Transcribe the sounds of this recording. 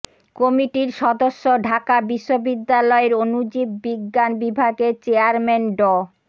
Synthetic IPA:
kɔmiʈiɾʃɔd̪oʃːoɖʱakabiʃːobid̪ːalɔeɾonud͡ʑib̚ːiɡːanbibʱaɡet͡ɕeaɾmenɖɔ

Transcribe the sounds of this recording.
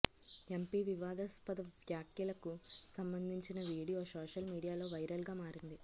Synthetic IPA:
e̞mpiːʋiʋaːd̪ɐspɐd̪ɐʋjaːkjɐlɐkusɐmbɐnd̪ʱiɲt͡ʃinɐʋiːɽijoːsoːʂɐlmiːɽijaːlo̞ːʋɐjɾɐlɡaːmaːɾind̪i

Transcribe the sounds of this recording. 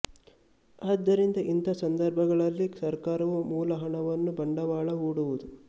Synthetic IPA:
aːd̪ːɐɾind̪ɐʔint̪ʰɐsɐnd̪ɐɾbʱɐɡɐɭɐlːisɐɾkaːɾɐʋumuːlɐɦɐɳɐʋɐnːubɐɳɖɐʋaːɭɐɦuːɽuʋud̪u

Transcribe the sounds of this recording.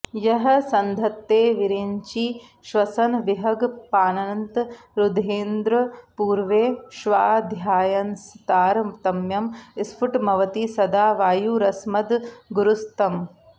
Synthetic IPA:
jɐɦɐ̆sɐnd̪ʱɐt̪ːeːʋiɾeːɲt͡ʃi | ʃʋɐsɐnʋiɦɐɡpaːnɐɐnt̪ | ɾud̪eːnd̪ɾɐpuːɾʋeːʃʋaːd̪ʱjaːjɐnst̪aːɾt̪ɐmjɐmispʰuʈmɐʋɐt̪isɐd̪aːʋaːjuːɾɐsmɐd̪ɡuɾust̪ɐm

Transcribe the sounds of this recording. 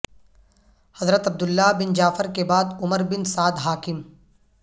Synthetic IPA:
hɐzɾət̪ɐb̚d̪ʊlːabɪnd͡ʒaːfəɾkebaːd̪ʊməɾbɪnsaːd̪ɦaːkɪm

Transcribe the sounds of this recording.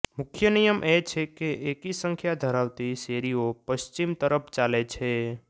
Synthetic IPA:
mʊkʰjənijəmʔɛt͡ʃʰɛkeʔeːkisə̃ŋkʰjad̪ʱəɾaːwt̪iseːɾijopəst͡ʃɪmt̪əɾəpʰt͡ʃaːlet͡ʃʰɛ

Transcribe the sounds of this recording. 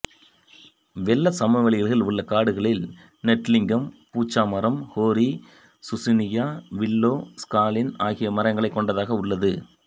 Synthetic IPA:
ʋɛlːɐsɐmɐʋɐɭɪɣɐɭɣɪlʊɭːɐkaːɽɯɣɐɭɪl | nɛʈːlɪŋɡɐmpuːt͡ʃːaːmɐɾɐmhoːɾi | sʊsɪnɪjaːʋɪlːoːskaːlɪnaːɣɪjɐmɐɾɐŋɡɐɭɐɪkːɔɳɖɐðaːɣɐʊɭːɐðɯ

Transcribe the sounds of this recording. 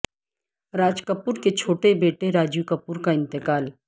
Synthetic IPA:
ɾaːd͡ʒkəpuːɾket͡ʃʰoːʈebeːʈeɾaːd͡ʒjukəpuːɾkaɪ̃nt̪ɪkaːl

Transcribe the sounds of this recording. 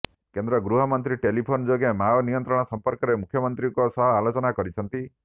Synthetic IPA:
kend̪ɾɔɡɾuɦɔmɔnt̪ɾiʈelipʰond͡ʒoɡemaɔnijɔnt̪ɾɔɽ̃ɔsɔmpɔɾkɔɾemukʰjɔmɔnt̪ɾikɔsɔɦɔalot͡ʃɔnakɔɾit͡ʃʰɔnt̪i

